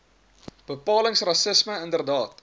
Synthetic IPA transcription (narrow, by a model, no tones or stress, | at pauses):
b̥əpɑːləŋsrɐsəsməəndərdɑːt̚